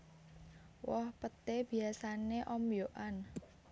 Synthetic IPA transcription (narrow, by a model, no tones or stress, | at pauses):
wɔhpət̪eb̥i̤asaneʔɔmjoʔan